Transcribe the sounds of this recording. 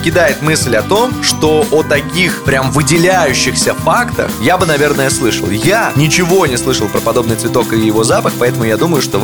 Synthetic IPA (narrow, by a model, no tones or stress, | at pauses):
kʲɪd̪ajɪt̪mɨsʲlʲɐt̪o̞mʂt̪o̞ʔot̪ɐkʲixpɾʲamvɨdʲɪlʲæjʉɕːɪxsʲəfakt̪ə̰xjabɨnɐvʲe̞rnəjəslˠɨʂə̰lˠjanʲɪt͡ɕɪvo̞nʲɪslˠɨʂəlˠpɾəpɐd̪o̞bnɨjt̪svʲɪt̪o̞kɨjɪvo̞zapəxpɐɛt̪əmʊjad̪uməjʊʂt̪o̞